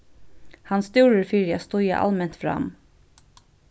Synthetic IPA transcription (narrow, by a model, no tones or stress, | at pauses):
hɑnst̪uːɹəɹfiːɾjɑst̪ʊjə̰ʔɑ̰lmɛnt̪fɾɑ̰m